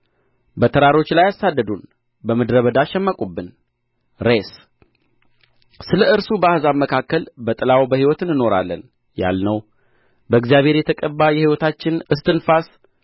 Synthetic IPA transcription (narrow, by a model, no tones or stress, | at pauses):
bət̪ʰəɾaɾo̞t͡ʃːlajːasad̪ːəd̪un | bəməd̪ɾəβəd̪aʃɛmːəkʼubːɨn | ɾes | sɨləɨɾsubəahɨzaβməkʰakːəlbət̪ʼɨlawbəhiwɔt̪ɨnɨno̞ɾa̰lːə̰n | ja̰lnəw | bəɨɡzijaβheɾjɛt̪ʰəkʼəbːajɛhiwɔt̪ʰat͡ʃːɪnɨst̪ʰɨnfas